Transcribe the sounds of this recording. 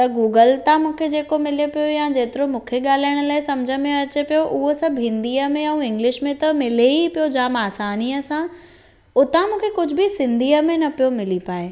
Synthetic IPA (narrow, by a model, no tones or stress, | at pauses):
t̪ɐɡuːɡəlt̪ãmũːkʰed͡ʑeːkomɪlepijojad͡ʑeːt̪ɪɾomũːkʰeɠaːl̤aːɪɽ̃ə̆laːɪsɐmd͡ʑʱəmẽɐt͡ɕepijoʔʊɦosɐbʱɦɪ̃nd̪iːəmẽɛ̃ũɪ̃ŋɡlɪʃmẽt̪ɐmɪleipijod͡ʑaːmaːsaːniːəsã | ʊt̪ãmũːkʰekʊd͡ʑʱʊ̆bɪsɪ̃nd̪ʱiːəmẽnɐpijomɪlipaːe